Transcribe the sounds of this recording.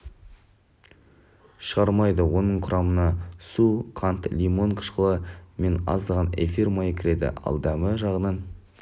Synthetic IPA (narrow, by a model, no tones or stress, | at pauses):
ʃəʁɑɾmɑjd̪əwo̞nəɴqʰʊɾʔɑmənɑsuqʰɑnt̪lʲimo̞ɴqʰə̥ʃqəlˠəme̞nɑ̰zd̪əʁɑnḛfirmɑjəkʲʰɪɾe̞d̪ɪ̰ɑ̰lˠd̪ɑməʒɑʁənɑn